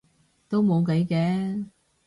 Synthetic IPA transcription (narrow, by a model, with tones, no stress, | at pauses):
t̪o˥wmo˨˧wk̬e˨˥jkɛː˨˥